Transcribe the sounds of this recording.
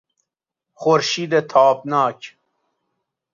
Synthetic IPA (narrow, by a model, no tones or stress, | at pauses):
χoɾʃiːd̪et̪ʰaːpnaːk